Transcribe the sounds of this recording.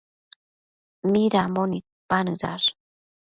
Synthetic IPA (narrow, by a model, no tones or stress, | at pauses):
miɾamonit̪̚panɯɾa̰ɾ